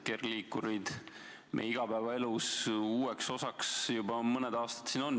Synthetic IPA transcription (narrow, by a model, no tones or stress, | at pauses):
kerliːkːuɾid̪̥ | mḛiɡ̥ɑbæevɑe̞lusuːekso̞sɑksjubɑmɤnɛd̪̥ɑːst̪ɑ̥t̪sino̞nː